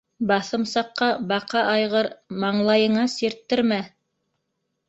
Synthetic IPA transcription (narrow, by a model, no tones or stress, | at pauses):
bɑθɤ̆msɑqːɑbɑqɑʔɑjʁɤɾmɑɴlˠɑjɤ̆ɴɑsiɾt̪ːɘ̆ɾmæ